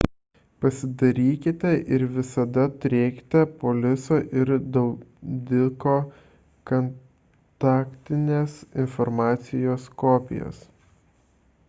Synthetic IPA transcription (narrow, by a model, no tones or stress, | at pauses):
pɐsʲɪd̪ɐɾʲiːkʲɪt̪ʲɛʔɪɾʋʲɪsɐd̪ɐt̪ʊɾʲeːkʲɪ̥t̪ʲɛpoːlʲɪsoːʔɪɾd̪ɐʊd̪ʲɪkoː | kɐn | t̪ɑːkt̪ʲɪnʲeːsɪnfɔɾmɑːt̪sʲɪjoːskoːpʲɪ̰jo̰ːs